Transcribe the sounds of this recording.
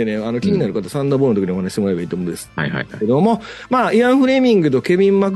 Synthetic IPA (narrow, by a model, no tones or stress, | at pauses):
eneano̞kʲiɲʲinaɾɯ̟kat̪asãnd̪aːboɾɯnt̪oki̟io̞hanaɕi̥temoaebaiːt̪omond̪esa̰a̰ed̪o̞mo̞ | maːiãɰ̃ɸɯ̟ɾe̞ːmʲĩŋɡɯ̟t̪o̞ke̞mʲĩmːak